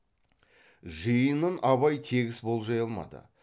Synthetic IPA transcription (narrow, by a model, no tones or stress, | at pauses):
ʒəjənənʔɑβɑjt̪ʰe̞ɡʲɪsbo̞lˠʒɑjɑlˠmɑ̰d̪ə̰